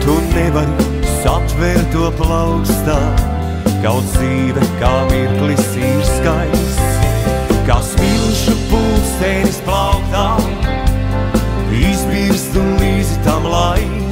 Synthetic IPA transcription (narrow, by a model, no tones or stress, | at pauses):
t̪unnːɛvaɾ | sat̪vɛɾt̪uɔplˠawkst̪a | ɡaw̪siːdɛkaːmiɾklˠisiːɾskajs | kasmilˠʃupuːsɛnisplˠawkt̪aː | izbiɾst̪unliːzit̪amlˠaj